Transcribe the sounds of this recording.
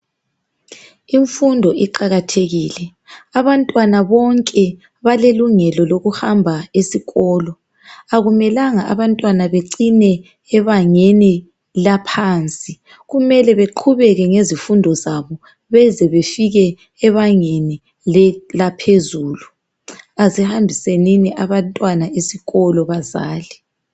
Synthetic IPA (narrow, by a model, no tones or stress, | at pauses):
iɱfundʱɔʔiǃaɣatʰeɣilɛ | aβantʼwanaβɔŋkʼɛ | βaleluŋɛlɔloɣuhambʱaesiɣɔːlɔ | aɣumɛlaŋaʔaβantʼwanaβeǀinɛː | βaŋeni | lapʰaːnt͡sʼi | ɣumɛlɛβeǃʰuβɛɣɛŋezifundʱɔzaβɔ | βɛzɛβefiɣɛː | βaŋeni | lɛlapʰezuːlu | azihambʱiseniniʔaβantʼwanaesiɣɔlɔβaza̰ːli